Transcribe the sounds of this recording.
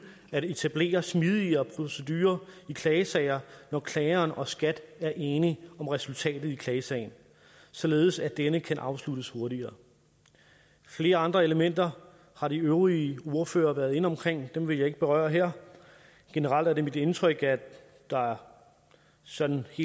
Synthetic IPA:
æɾ̥e̝t͡sʰæb̥le̝̰ːɐsmið̞ˠiɐpʰʁo̝se̝d̥yːɐikʰlɛːɪsɛɪɐnɒkʰlɛːɪɐːnʔɒ̽sɡ̥æd̥æɐʔe̝ːniɒ̽mʁɛsult͡sʰɛ̰ːd̥ð̞̩ˠikʰlɛːsɛɪn̩ | sɒ̽le̝ːð̞̩ˠsæd̥enəkʰænʔɑ̈ʊsludəsho̝ɐɾiɐː | fle̝ːɐɑ̈nd̥ʁɐe̝ləmen̰d̥ɐ | hɑ̈ɾ̥iøʊʁio̝ɐfø̰ːɐʋæɐðˠe̝nəɒ̽mkʰʁeŋ̰d̥emʋe̝jɑ̈ɪe̝ɡ̥əb̥e̝ʁɶ̰ːɐɦeɐ̰ | ɡ̥e̝nəʁɑ̈l̰d̥æɐd̥e̝mid̥e̝nt͡sʰʁœɡ̥æ | d̥ɑ̈æɐ | sɒ̽d̥n̩he̝̰

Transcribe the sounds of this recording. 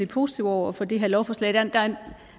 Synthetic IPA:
ipʰo̝ːsi̥t͡sʰiʊɒʊ̰ɐfɒ̽d̥ḭːɦænlɒʊfɒ̽sled̥ænd̥æn

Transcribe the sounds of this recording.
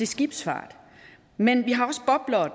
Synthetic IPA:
e̝sɡ̥ib̥sfɑ̰̈ːd̥ | menʋiɦɑ̈ɒ̽səb̥ɒ̽b̥lɐ

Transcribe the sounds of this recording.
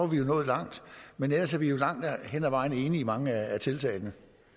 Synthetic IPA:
ɐʋijo̝nɔ̽ːð̩ˠlɑ̈ŋ̰d̥menelɐsæʋijo̝lɑ̈ŋ̰d̥henæʋɑ̈ɪ̰nəe̝ːniːmɑ̈ŋəææt͡sʰe̝lt͡sʰɛ̰ːɪnə

